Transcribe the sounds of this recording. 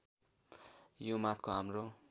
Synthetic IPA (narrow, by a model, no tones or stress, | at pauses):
jomat̪̚koɦamro